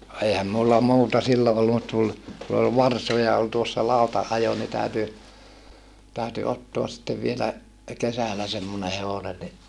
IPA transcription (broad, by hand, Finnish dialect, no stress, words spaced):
no eihæm mulːɑ muːtɑ silːo olːu mut tul ku ol ʋɑrsojɑ ol tuosːɑ lɑutɑʔːɑjo ni tæˑyty tæˑyty otːoɑs sĭtːeʋ ʋielæ kesælæ semːone heʋonen ni